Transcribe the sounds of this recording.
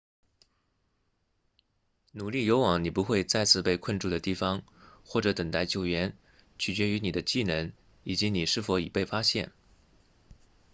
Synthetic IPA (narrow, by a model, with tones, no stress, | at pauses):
nu˨˩li˥˩jo˧˥ʊwɑ˨˥˦ŋni˨˩pu˧˥xwe˥˧ɪt͡sa˥˧ɪt͡sʰɹ̩˥˧pe˥˧ɪkʰə˥˧nʈ͡ʂu˥˩d̪ə˩t̪i˥˩fɑ˧˥ŋxwɔ˥˩ʈ͡ʂɤ˧˥t̪ə˨˩ŋt̪a˥˩ɪt͡ɕjo˧˩ʊɥɛ˧˥n | t͡ɕʰy˨˩t͡ɕɥɛ˧˥y˧˥ni˨˩d̪ə˦t͡ɕi˥˩nə˧˥ŋ | i˨˩t͡ɕi˧˥ni˨˩ʂɻ̩˥˩fo˧˥ḭ˨˩pe˥˩ɪfa˥ɕjɛ̰˥˩n